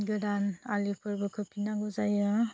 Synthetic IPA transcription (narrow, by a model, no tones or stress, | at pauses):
ɡɯɾanalipʰɯɾbɯkʰɯpʰinaɡɔzajɯ